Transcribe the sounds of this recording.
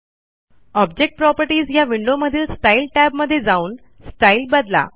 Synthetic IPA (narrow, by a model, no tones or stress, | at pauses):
ɔbd͡ʑek̚ʈ̚pɾɔpəɾʈiːzjaʋiɳɖoməd̪ʱiːlsʈailʈæbməd̪ʱːjed͡zauːn | sʈailbəd̪la̰